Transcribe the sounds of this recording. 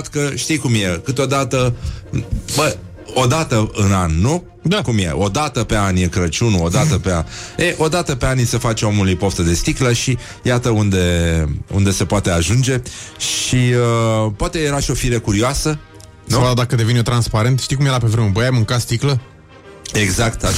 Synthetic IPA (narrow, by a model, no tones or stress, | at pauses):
t̪kəʃt̪ijkumje̞kɨt̪o̞d̪at̪ə | bə | od̪at̪əɨnanːu | d̪akumje̞̰ʔo̞d̪at̪əpe̞anjekɾət͡ʃunuod̪at̪əpeaeʔo̞d̪at̪əpe̞anisəfat͡ʃomulijpoft̪əd̪e̞st̪ikləʃi | jat̪əund̪e̞ṵnd̪e̞se̞poat̪e̞aʒund͡ʒe̞ʃiəpwat̪e̞jeɾaʃio̞fiɾekuɾioasə | nuvad̪akəd̪e̞vinot̪ɾanspaɾe̞nt̪ʃt̪ik̬umjelapevɾemubəjajmɨŋkat̪st̪iklə | e̞ɡzakt̪